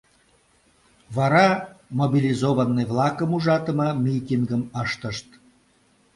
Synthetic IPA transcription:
vɑɾɑmobʲilizoβənːəjvlˠɑkəmuʒɑt̪ə̆məmʲit̪ʲiŋɡəməʃt̪əʃt̪

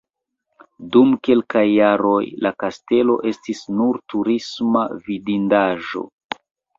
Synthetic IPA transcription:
dumke̞lkajːaɾo̞jlakaste̞lo̞̰ʔe̞stisnuɾtuɾismavidindaʒo̞̰

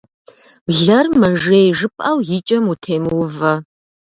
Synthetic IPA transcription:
bɮɐrmɐʒeːjʒɨpʼʔɐwjɪt͡ʃʼɐmutʰeːmwvɐ

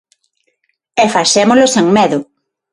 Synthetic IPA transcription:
ɛfaʃɛmolʊseŋmeðʊ

